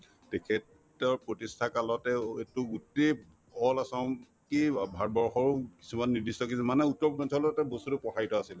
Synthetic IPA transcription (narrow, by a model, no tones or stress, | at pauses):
tɛkʰɛt | ɔɹpɹotistʰakalɔtɛetʊɡutːi | ɔlasãʊ̃ | kibʱaɹbɔɹxɔɹki̥sumanːiɹdistɔkismanɛutːɔɹbɔnsɔlɔtɛbostutupɔkʰaɹitɔasilɛ